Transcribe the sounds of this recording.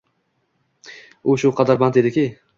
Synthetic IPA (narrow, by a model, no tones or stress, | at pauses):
ʊʃʊqʰɑd̪aɾbant̪ed̪ɪkʲij